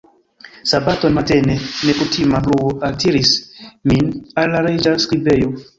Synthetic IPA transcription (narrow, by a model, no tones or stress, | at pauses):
sabato̞nmatenenekutʰimabluoʔatʰiɾisminalːaɾed͡ʒaskɾibejo